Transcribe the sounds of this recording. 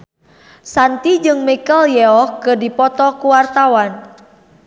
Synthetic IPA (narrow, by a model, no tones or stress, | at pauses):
sant̪id͡ʒɨŋmikəljɛɔhkɨrdipɔt̪ɔkuwart̪awan